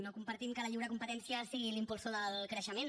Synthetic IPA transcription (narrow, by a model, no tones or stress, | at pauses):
nokumpəɾt̪imkələʎiwɾəkumpət̪ɛnsiəsiɣilimpulˠsoðəlˠkɾəʃəmen